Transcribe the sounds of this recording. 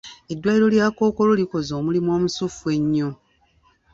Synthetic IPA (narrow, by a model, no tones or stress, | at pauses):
e̞dːwaiɾo̞ljaːko̞ːko̞loliko̞zoːmulimwoːmusufue̞ɲːo